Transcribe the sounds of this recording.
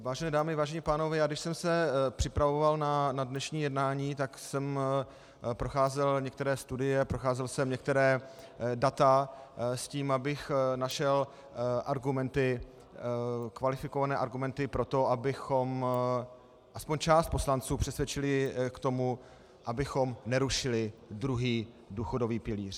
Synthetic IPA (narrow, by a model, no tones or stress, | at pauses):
vaːʒɛnɛːdaːmɪvaːʒɛɲiːpaːno̞vɛːjaːɡdɪʃsɛmsɛpr̝̥ɪpɾavovalnanadnɛʃɲiːjɛdnaːɲiːt̪aksɛm | pɾo̞xaːzɛlɲɛkt̪ɛɾɛːst̪udɪjɛpɾoxaːzɛlsɛmɲɛk̚t̪ɛɾɛːdat̪asciːmabɪxnaʃɛl | ʔaɾɡumɛnt̪ɪ | kvalɪfɪko̞vanɛːʔaɾɡumɛnt̪ɪpɾo̞t̪o̞ʔabɪxo̞m | ʔaspo̞ɲt͡ʃaːst̪̚po̞slant͡suːpr̥ɛsvjɛt͡ʃɪlɪkt̪o̞mu | ʔabɪxo̞mnɛɾuʃɪlɪd̪ɾuɦiː | duːxo̞do̞viːpɪlḭːr